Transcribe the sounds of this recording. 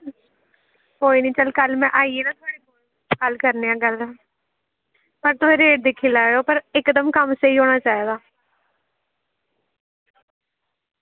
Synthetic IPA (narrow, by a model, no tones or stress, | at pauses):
koːiːnĩːt͡ʃəlkəlmɛ̃ːʔaːieːnãːt̪ʰʊaːɽeːkoːl | kəlkəɾneːãːɡəlː | pəɾt̪oeːɾeːʈ̚d̪eːkʰːiːlaːoːpəɾɪkd̪əmkəmseiːɦoːɽ̃aːt͡ʃaːeːɡ̪aː